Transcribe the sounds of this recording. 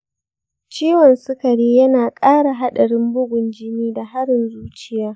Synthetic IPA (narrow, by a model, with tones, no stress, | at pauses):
t͡ʃiː˦wɔ˨nsʊ˦kɐ˨ɽiː˦jɐ˦naː˨kʼaː˦ɽa˨ɦa˦ɗɐ˨ɽɪ˦mbʊ˦ɡʷʊ˨nd͡ʒɪ˦niː˦da˨ɦa˦ɽɪ˨nzuː˦t͡ʃɪ˦jaː˦